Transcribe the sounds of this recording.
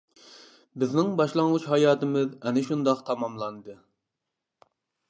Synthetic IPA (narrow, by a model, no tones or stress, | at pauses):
bɪznɪŋbɑʃlˠɑŋʁut͡ʃhɑjɑːt̪ɨmɪzɛnɪʃund̪ɑqt̪ʰɑmɑmlˠɑnɨd̪ɨ